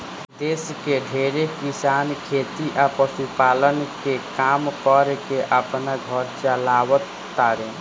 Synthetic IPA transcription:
d̪eːskeɖʱeːɾekɪsaːnkʰeːt̪iʔapəsupaːlənkekaːmkɔɾkeʔəpnaɡʱɔɾt͡ʃəlaːwət̪ːaːɾẽː

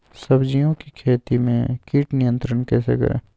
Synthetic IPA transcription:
sɐbd͡ʒijõkikʰeːt̪imẽkiːʈnɪjə̃nt̪ɾənkɛːsḛkɐ̰ɾḛ̃ː

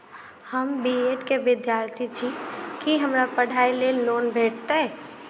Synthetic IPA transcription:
həmbieːʈkeʋɪd̪jaːɾt̪ʰit͡ʃʰikiɦəmɾapəɽʱaːileloːnbʱeːʈ̚ʰt̪eɦɛ

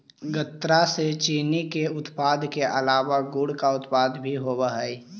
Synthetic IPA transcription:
ɡət̪ːɾaset͡ʃiːnikeʊt̪paːd̪keʔəlaːʋaɡuɽkaʊt̪paːd̪bʱiɦoːbəɦəi

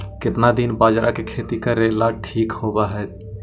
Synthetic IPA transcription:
kɪt̪nad̪inbaːd͡ʒɾʔakekʰeːt̪ikəɾeːlaʈʰiːkhoːbaɦɛː

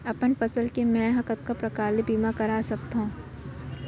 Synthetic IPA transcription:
ɐpənfɐsəlkemɛ̃ɦɐkət̪̚kapɾɐkaːlebiːmakɐɾaːsɐk̚t̪aɦũː

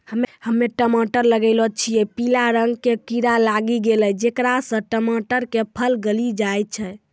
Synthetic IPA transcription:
həmhəmːeʈəmaʈəɾləɡəɪlɔt͡ʃʰijɛpilaɾəŋɡkekiɾalaɡiɡeləd͡ʒekɾasə̃ʈəmaʈəɾkepʰəlɡəlid͡ʒajt̪̚t͡ʃʰɛ

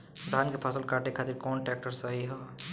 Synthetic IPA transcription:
d̪ʱaːnkepʰəsəlkaːʈekʰaːt̪ɪɾkɔːnʈɛːk̚ʈəɾsaːɦiɦaː

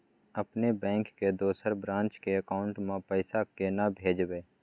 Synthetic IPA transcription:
əpnebɛ̃ːŋkːed̪oːsəɾbɾãːnt͡ʃkeəkaːʊ̃ɳʈmãpəɪsakenabʱeːd͡ʒʋeː

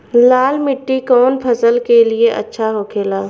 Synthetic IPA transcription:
laːlmɪʈːikɔːnpʰɐsəlkelieʔɐ̰tːʃʰaɦoːkʰeːlaː

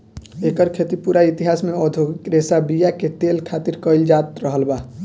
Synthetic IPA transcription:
ekəɾkʰet̪ipuɾait̪iɦasmeɔd̪ʱoɡikɾesabijaket̪elkʰat̪iɾkəɪld͡ʒat̪ɾəɦəlba

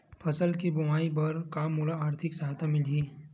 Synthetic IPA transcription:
pʰɐsəlkibɐmaːipɐɾkaːmːulaaːɾt̪ʰɪksɐɦaːt̪ʰamɪlɦiː

